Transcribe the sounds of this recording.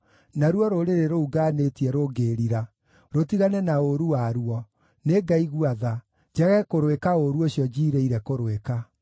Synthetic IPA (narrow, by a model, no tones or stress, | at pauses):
naɾwɔɾoɾeɾeɾouɡanetiɛɾoɡeɾiɾa | ɾotiɣanɛnaoɾuwaɾuɔ | neɡaiɣuaða | d͡ʑɛɣɛkoɾwekaoɾuoɕiɔd͡ʑiːɾeiɾɛkoɾweka